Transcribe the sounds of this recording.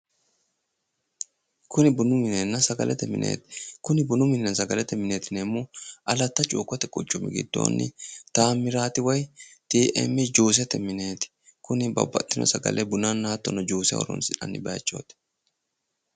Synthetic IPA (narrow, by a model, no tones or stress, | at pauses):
kʊnɪbʊnʊmɪnenːɐsɐɡɐlʔɛt̪ɛmɪ̰nʔḛːt̪ɪ̥kʊnɪbʊnʊmɪnːɐsɐɡɐlɛt̪ːɛmɪneːt̪ɪnemːʊʔɐlɐt̪ːɐt͡ʃʼuːkʼːɔt̪ɛkʼʊt͡ʃʼːʊmɪɡɪ̰d̪̥ːo̞̰ːnːɪ̰t̪aːmːɪɾaːt̪ɪwɐjt̪iːʔḛmːɛd͡ʒuːs̬ɪɐt̪ːɛmɪne̞ːt̪ɪ̥kʊnɪbɐ̰bːɐ̰t̪ːɪnɔ̰sɐɡɐ̰lʔɛbʊnanːaːt̪ːɔnːɔd͡ʒuːsɪɐ̰wɔ̰ɾɔ̰nsɪᶑɐ̰nːɪbɐːt͡ʃʼːo̞̰ːt̪ɛ̥